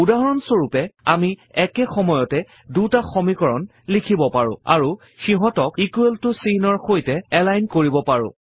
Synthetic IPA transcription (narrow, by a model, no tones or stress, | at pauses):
udaɦɔɹɔnsoɹupɛamiɛkɛxɔmɔjɔtɛ | dutaxɔmikɔɹɔn | likʰibɔpaɹʊ̰̃a̰ɹu | xiɦɔtɔkikueltʊsinɔɹxojtɛɛlajnkoɹibɔpaɹʊ̰̃